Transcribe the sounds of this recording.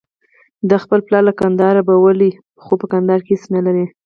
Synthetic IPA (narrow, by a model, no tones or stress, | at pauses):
d̪əxpəlplɑɾlakand̪ɑɾabawəli | xopəkand̪ɑɾkehesnalaɾi